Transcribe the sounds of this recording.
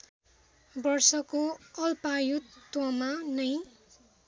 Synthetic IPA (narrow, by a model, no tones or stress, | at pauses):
bʌrsʌkoʌlpajut̪ːwʌmanʌj